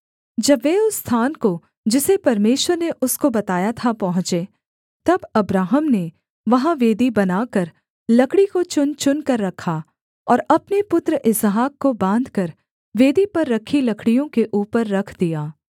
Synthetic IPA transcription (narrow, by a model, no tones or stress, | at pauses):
d͡ʒɐbʋeʊsːt̪ʰaːnko | d͡ʒɪsepɐɾmeːʃwəɾneʔʊskobɐt̪aːjat̪ʰapɐɦʊ̃t͡ʃe | t̪ɐbɐbɾaːɦəmne | ʋɐɦãʋeːd̪ibɐnaːkɐɾ | lɐkɽikot͡ʃʊnt͡ʃʊnkɐɾːɐkʰa | ɔːɾɐpnepʊt̪ɾəʔɪzɦaːkːobãːnd̪ʱkɐɾ | ʋeːd̪ipɐɾːɐkʰilɐkʰɽijõkeʔuːpəɾːɐkʰd̪ijaː